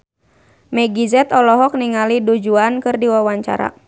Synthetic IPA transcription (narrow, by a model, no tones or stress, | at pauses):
mɛɡizɛt̪ɔlɔɦɔk̚niŋalidud͡ʒuankɨrdiwawaɲt͡ʃa̰ɾa̰